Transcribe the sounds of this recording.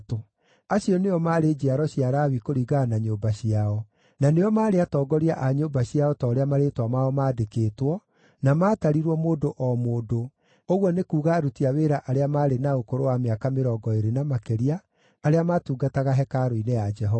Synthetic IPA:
to | aɕiɔneɔmaɾed͡ʑiaɾɔɕiaɾawikoɾiɣanaɲoːbaɕiaɔ | naneɔmaːɾeatɔːɡɔɾiaʔaɲoːmbaɕiaɔtɔːɾeamaɾetwamaɔmaːdekeːtwɔ | namaːtaɾiɾwɔmoːdoʔɔmoːdo | oɣwɔnekuːɣaːɾutiaweːɾaʔaɾeamaːɾenaokoɾowameakameɾɔːɡɔeɾenamakɛɾiaː | ɾeamatuːɡataɣaɦɛkaɾoinejad͡ʒɛɦɔa

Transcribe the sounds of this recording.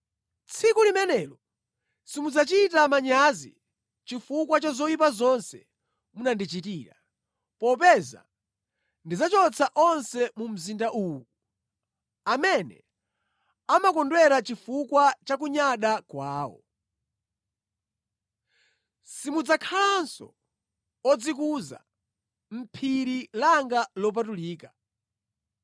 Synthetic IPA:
t͡sʰikulimɛnɛːlɔ | simud͡zat͡ʃitamaɲazḭ | t͡ʃifukwat͡ʃazɔjipazɔnsɛ | munandit͡ʃitiːɾa | pɔpɛza̰ | ndizat͡ʃɔt͡sʰaʔɔnsɛmum̩zindaʔuːu | amɛnɛ̰ | amakɔndwɛɾat͡ʃifukwat͡ʃak̬uɲaɗakwaːwɔ̰ | simud͡zakʰaansɔ̰ | ɔd͡zikuza̰ | m̩pʰiɾilaŋɡalɔp̬atuliːka

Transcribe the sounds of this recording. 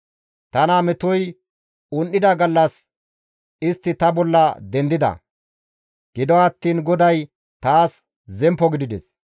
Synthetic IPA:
t̪ɐnaːmɛt̪ʊj | ʊnʔɪd̪ɐɡɐlːɐs | ɪst̪ːɪt̪ɐbɔlːɐd̪ɛnd̪ɪd̪ɐ̰ | ɡ̥ɪd̪ɔɐt̪ːiːnɡɔd̪ɐj | t̪aːs | zɛmpːɔɡɪd̪ɪd̪ɛs

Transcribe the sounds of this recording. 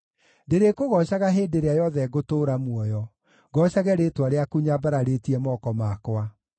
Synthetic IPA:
deɾekoɣɔɕaɣaɦeːdeɾeajɔðɛɣotoɾamwɔjɔ | ɡɔʃaɣɛɾetwaɾeakuɲabaɾaɾetiɛmɔkɔmakwa

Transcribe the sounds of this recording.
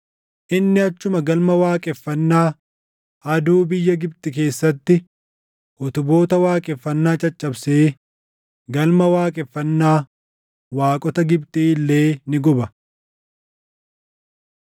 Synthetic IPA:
ʔɪnːɪɐt͡ʃːʊmɐɡɐlmɐwaːkʼɛfːɐnːaː | ʔɐd̪uːbɪjːɐɡɪbt̪ʼɪk̬e̞ːsːɐt̪ːɪ | ʔɔt̪ʊbo̞ːt̪ɐwaːkʼɛfːɐnːaːt͡ʃʼɐt͡ʃʼːɐbseː | ɡɐlmɐwaːkʼɛfːɐnːaː | waːkʼɔt̪ɐɡɪbt̪ʼiːlːe̞ːnɪɡɔbɐ

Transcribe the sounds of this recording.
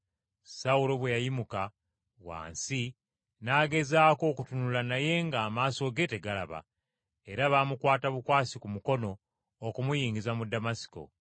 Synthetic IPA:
saulo̞βwe̞jajimuka | βwa̰ːnsi | naːɡe̞zaːko̞ːkutunulanaje̞ŋɡaːmaːso̞ɡe̞te̞ɡala̰βa̰ | eɾaβaːmukwaːtaβukwaːsikumuko̞no̞ː | kumujiːŋɡizamudamasi̥ko̞̰

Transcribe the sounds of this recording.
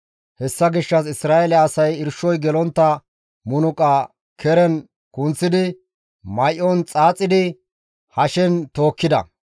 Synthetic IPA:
hɛsːɐɡɪʃːɐs̬ɪsɾaːʔɛlɛɐsɐjɪɾʃɔjɡɛlɔnt̪ːɐ | mʊnʊkʼaː | kʰɛɾɛn | kʊnt͡sːɪd̪ɪ | mɐjʔɔnt͡sʼaːt͡sʼːɪd̪ɪ | hɐʃɛnt̪o̞ːkːɪd̪ɐ̰

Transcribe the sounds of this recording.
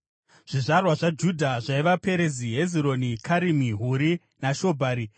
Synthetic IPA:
ʐ̥iʐarwaʐad͡ʒudʱaʐaiʋape̞ɾeziɦe̞ziɾo̞nikʰaɾimiɦuɾi | naʃo̞bʱaːɾi

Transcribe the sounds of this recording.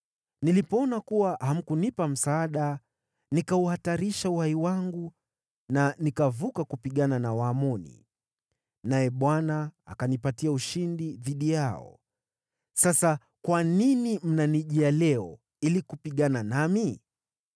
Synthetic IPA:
nilipɔɔnakuwaham̩kunipam̩saːɗa | nikauhataɾiʃauhaiwaŋɡu | nanikavukakupiɠananawaːmɔnḭ | najɛɓwanaa̰kanipatiauʃindiðiɗijaɔ̰ | sasa | kwaninim̩naniʄɛalɛɔ | ilikupiɠananami

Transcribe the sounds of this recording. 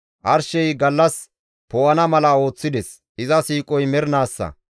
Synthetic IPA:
ʔɐɾʃɛjɡɐlːɐs | pɔwɐnɐmɐlɐo̞ːt͡sːɪd̪ɛs | ɪzɐsiːkʼɔjmɛɾnaːsːɐ̰

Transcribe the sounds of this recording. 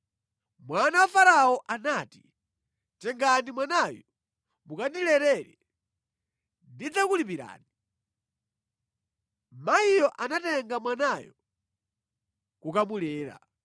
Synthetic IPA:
mwanawafaɾaɔʔanaːti̥ | tɛŋɡanimwanajɔ | mukaɗilɛɾɛɾɛ | ndid͡zakulipiɾa̰ːni | maijɔʔanatɛŋɡamwanajɔ | kukamulɛːɾa̰

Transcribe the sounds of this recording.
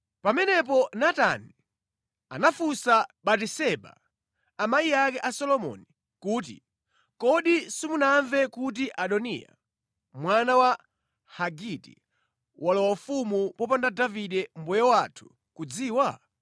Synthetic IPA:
pamɛnɛp̬ɔnata̰ni | a̰nafusaɓatisɛɓa̰ | amaijakɛʔasɔlɔmɔ̰ni | kuːt̬ḭ | kɔɗisimunaɱvɛkut̬iʔaɗɔnḭja̰ | mwanawa | haɡitḭ | walɔwafumupɔpandadaviɗɛm̩bɔjɔwatʰu̥ | kud͡ziːwa

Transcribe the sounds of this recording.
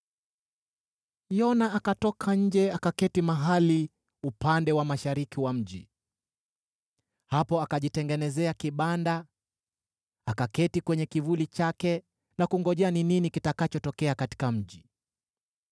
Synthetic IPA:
jɔnaakatɔkʰaɲ̩d͡ʒɛakakɛtimaɦali | upandɛwamaʃaɾikiwam̩ʄḭ | hapɔakaʄitɛŋɡɛnɛzɛakiɓanda | akakɛtikwɛɲɛkivulit͡ʃakɛ | nakuŋɡɔʄɛanininikitakat͡ʃɔtɔkɛakati̥kam̩ʄi

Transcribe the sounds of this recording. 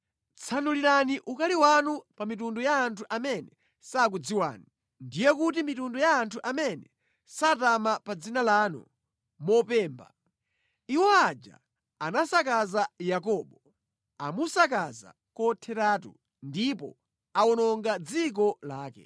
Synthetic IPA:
t͡sʰanuliɾaniʔukaliwanupamitundɔjaːntʰuʔamɛnɛ | sak̬ud͡ziwa̰ːni | ndijɛkutimitundɔjaːntʰuʔamɛnɛ | satamapad͡zinalaːnɔ̰ | mɔpɛːmba̰ | iwɔad͡ʒa̰ː | nasakazajakɔːɓɔ | amusak̬aza̰ | kɔtʰɛtaːtṵ | ndipɔ̰ | aɔnɔŋɡad͡zik̬ɔlaːkɛ̰

